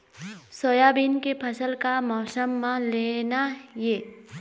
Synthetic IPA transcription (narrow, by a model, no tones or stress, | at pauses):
sojabinkepʰəsəlkamɔːsəmːãleːnaje